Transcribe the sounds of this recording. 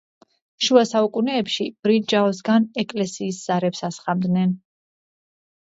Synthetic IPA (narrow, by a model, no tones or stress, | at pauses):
ʃuasaukʼunɛːpʃib̥ɾid͡ʒaɔs̬ɡanɛkʼlɛsiːsz̥aɾɛpsasχamd̪nɛn